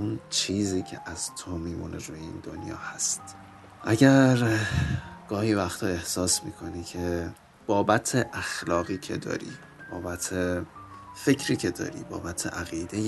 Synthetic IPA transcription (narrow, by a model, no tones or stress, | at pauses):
unt͡ʃʰiːziːcʰeʔæz̥t̪ʰomiːmṵnʔeɾuːjeḭːnd̪o̞njɒ̰ːhæst̪ | ʔæɟæɾ | ɡ̥ɒːhiːvæxt̪ʰɒːe̞hsɒːsmḭːkʰo̞niːcʰe | b̥ɒːbæt̪ʰeʔæxlɒːɣiːcʰe̞̰d̪ɒ̰ːɾḭː | b̥ɒːbæt̪ʰe | fe̞cʰɾiːcʰe̞d̪ɒ̰ːɾḭːbɒːbæt̪ʰḛʔæɣiːd̪ej